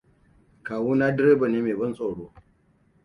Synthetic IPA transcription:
kaː˨wuː˦naː˦dɪ˦ɾeː˦ba˨neː˦meː˨bɐ˦nsʼoː˨ɽoː˦

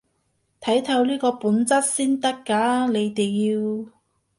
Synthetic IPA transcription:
t̪ʰɐ˨˥jt̪ʰɐ˨˧wliː˥kɔː˧puː˨˥nt͡sɐ˥t̚siː˥nt̪ɐ˥kːaː˨˥le˨˧jt̪eː˨jiː˧w

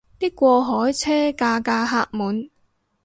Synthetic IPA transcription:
t̪iː˥kːʷɔː˧ɦɔː˨˥jt͡sʰɛː˥kaː˧kaː˧ɦaː˧k̚muː˨n

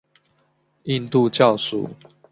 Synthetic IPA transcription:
i˥˧nt̪u˥˧t͡ɕjɑ˥˨ʊsṵ˨

